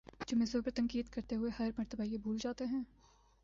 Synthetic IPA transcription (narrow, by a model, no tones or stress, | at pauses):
d͡ʒoːmẽzoːpəɾt̪ɐ̃ŋkiːd̪kɐɾt̪eɦʊehɐɾmɐɾt̪əbaijebʱuːld͡ʒaːt̪eɦɛ̃ː